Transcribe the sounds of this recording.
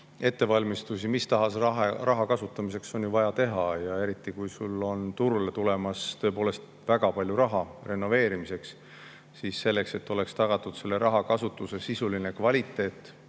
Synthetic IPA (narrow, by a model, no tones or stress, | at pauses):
e̞t̪ːe̞vɑlʲmist̪usimist̪ɑɦɑsɑrɑɦɑkɑsut̪ːˑɑmise̞kso̞njuvɑjɑt̪e̞ɦɑjɑe̞ɾit̪ːˑikujsulːo̞nt̪uɾule̞t̪ule̞mɑst̪ø̞e̞po̞ːle̞st̪ | væɡ̥ɑpɑlʲjuɾɑɦɑre̞nːo̞ve̞ːɾimise̞ks | siːsːe̞lːe̞kse̞t̪ːˑo̞le̞kst̪ɑɡ̥ɑt̪ːˑud̪̥se̞lːe̞ɾʔɑɦɑkɑsut̪ːˑuse̞sisuline̞kvɑlʲit̪ːˑe̞ːt̪ːˑ